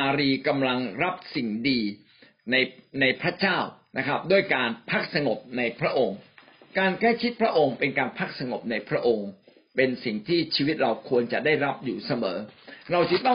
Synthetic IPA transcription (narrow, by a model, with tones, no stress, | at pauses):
aː˧ɾiː˧ka˧mla˧ŋɾa˦˥p̚si˨˩ŋdiː˧ | na˧jna˧jpʰɾa˦˥t͡ɕaː˥˩wna˦˥kʰɾa˦˥p̚du˥˩əjkaː˧npʰa˦˥k̚sa˧ŋo˨˩p̚na˧jpʰɾa˦˥ʔo˧ŋ | kaː˧nkla˥˩jt͡ɕʰi˦˥t̪̚pʰɾa˦˥ʔo˧ŋpe˧nkaː˧npʰa˦˥˩k̚sa˧ŋo˨˩p̚na˧jpʰɾa˦˥ʔo˧ŋ | pe˧nsi˨˩ŋt̪ʰiː˥˩t͡ɕʰiː˧wi˦˥t̪̚ɾa˧wkʰu˧ənt͡ɕa˨˩daː˥˩jɾa˦˥p̚juː˨˩sa˧mɤː˩˦ɾa˧wt͡ɕʰi˦˥˩t̪ɔ˥˩